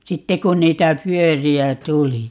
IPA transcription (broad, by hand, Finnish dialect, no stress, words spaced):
sitːe kun niːtæ pyøriæ tuli